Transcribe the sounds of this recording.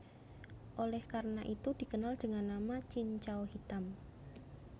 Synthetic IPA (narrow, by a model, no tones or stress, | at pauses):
ʔolɛhkarnaʔit̪ud̥i̤kənald̥əŋanːamat͡ʃiɲt͡ʃawhit̪am